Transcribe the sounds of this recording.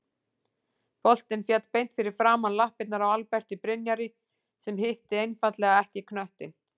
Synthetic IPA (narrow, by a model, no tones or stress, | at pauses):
pɔl̥t̪ɪnfjat̪pejn̥t̪fɪɾɪɾ̥fɾaːmanlahpɪt̪naɾawalpɛr̥t̪ɪpɾɪnjaɾɪ | sɛmɦɪht̪ɪejnfat̪lɛɣaɛhcɪkʰnœht̪ɪ̰n